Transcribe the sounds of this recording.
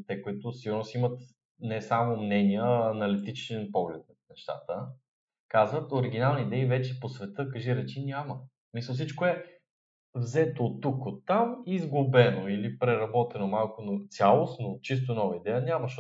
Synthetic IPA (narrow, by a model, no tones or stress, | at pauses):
t̪ɛkoit̪ʊsiɡʊɾnosimət̪ | nɛsamʊmnɛnijəɐnɐlit̪it͡ʃɛnpɔɡlɛt̪̚ | nɛʃt̪a̰t̪ə | kazvət̪oɾiɡ̟inalˠniːd̪ɛivɛt͡ʃɛposvɛt̪ɤkəʒiɾɛt͡ʃinʲamə | misəlˠsit͡ʃkoɛ | vzɛt̪ot̪ːukot̪ːamizɡʊbɛnoilipɾɛɾɐbɔt̪ɛnomalˠkʊnot̪sʲalˠosnot͡ʃis̬t̪onɔvɐid̪ɛjənʲamɐʃ